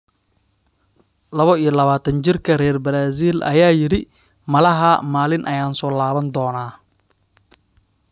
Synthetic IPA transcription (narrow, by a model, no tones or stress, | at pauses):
lɐβɔijɞlɐβaːt̪ʰɐnt͡ʃɪrkʰɐrɛːrbɐɾaːsiːlʔɐ̰jaːjɪɾɪ | mɐlɐɦɐmaːlɪnʔɐjaːnsɔːlaːβɐnd̪ɔːnaː